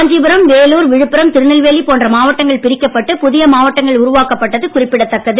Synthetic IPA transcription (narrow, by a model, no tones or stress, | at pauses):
ɐɲd͡ʒɪbɐɾɐmʋeːluːɾʋɪɻɯpːɪɾɐmt̪ɪɾɯnɪlʋeːlipoːndrɐmaːʋɐʈːɐŋɡɐɭpɪɾɪkːɐpːɐʈːɯpʊðɪjɐmaːʋɐʈːɐŋɡɐɭʊɾʊʋaːkɐpːɐʈːɐðɯkʊrɪpːɪɽɐt̪ːɐkːɐðɯ